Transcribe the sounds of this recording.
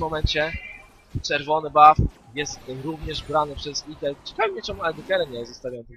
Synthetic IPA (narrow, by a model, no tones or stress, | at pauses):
mːɔmɛɲt͡ɕɛ | t͡ʂɛɾvɔnɘbaf | jɛst̪ɾuvɲɛʐbɾanɘpʂɛzit̪ɛlt͡ɕɛ̥kavʲɛmʲɲɛt͡ʂɛmualɛd̪ɔkɛɾɛɲɛjɛst̪st̪avʲjajɔ̃nt̪